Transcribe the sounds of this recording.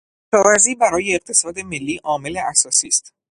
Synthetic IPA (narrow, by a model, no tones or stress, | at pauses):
ʃʰɒːvæɾziːbæɾɒːje̞ːq̚t̪ʰe̞sɒːd̪e̞me̞lːiːʔɒːme̞leʔæsɒːsiːst̪